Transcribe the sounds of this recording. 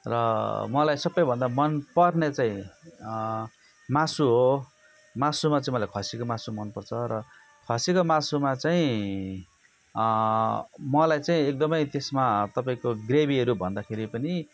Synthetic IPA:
rʌmʌlajsʌbːʌjbʱʌnd̪amʌnpʌrnet͡saĩ | masuɦo | masumat͡saĩmʌlajkʰʌsikomasumʌnpʌrt͡sʰʌɾʌ | kʰʌsikomasumat͡saĩ | mʌlajt͡saĩek̚d̪ʌmʌjt̪esmat̪ʌpaĩkoɡrebiɦʌɾubʱʌnd̪akʰeɾipʌni

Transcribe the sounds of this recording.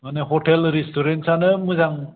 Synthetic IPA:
maneɦɔʈelɾistɔɾentsanɯmɯzaŋ

